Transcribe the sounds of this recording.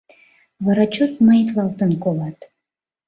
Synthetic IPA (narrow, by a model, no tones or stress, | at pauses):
βɑɾɑt͡ɕot̪̚majt̪lɑlˠt̪ənkolɑt̪